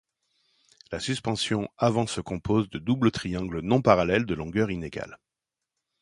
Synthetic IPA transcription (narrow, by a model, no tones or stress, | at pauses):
lasyspɑ̃sjɔ̃avɑ̃səkɔ̃pʰozd̪əd̪ublət̪χijɑ̃ɡlənɔ̃paʁalɛld̪əlɔ̃ɡœʁineɡa̰l